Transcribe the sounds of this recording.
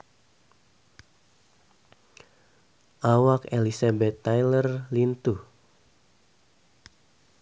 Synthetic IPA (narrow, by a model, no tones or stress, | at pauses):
ʔawakelisabɛt̪ːajlərlint̪u